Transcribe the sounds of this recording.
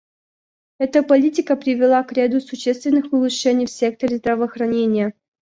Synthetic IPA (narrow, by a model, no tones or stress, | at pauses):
ɛt̪əpɐlʲitʲɪkəpɾʲɪvʲɪlˠakɾʲad̪usʊɕːest̪vʲɪnːɨxpɨlˠɨʂɛnʲɪjfsʲe̞k̚t̪əɾʲɪzd̪ɾəvɐːxɾɐnʲenʲɪjə